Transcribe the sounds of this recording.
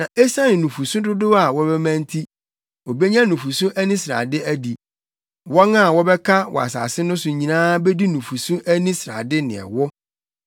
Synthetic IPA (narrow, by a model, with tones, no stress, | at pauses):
nã˨ʔe˦sã˦nɪ̃˨nũ˨fu˨sũ˦dʊ˦dʊ˦a˨wɔ˦bɛ˦mæ̃˦n˦tʰi˦ | o˨be˦ɲã˦nũ˨fu˨sũ˦ʔæ˦nĩ˦sɾa̰˨dɪ˦æ˦di˨ | wɔ˦na˦˨wɔ˦bɛ˦kʰa˦wɔ̰˨a̰˨sa̰ː˨sɪ˦nʊ̃˦sʊ˨ɲĩ˨nãː˦be˦di˦nũ˨fu˨sũ˦ʔæ˦nĩ˦sɾa̰˨dɪ˦nɪ̰̃˨ɛ̰˨wɔ˦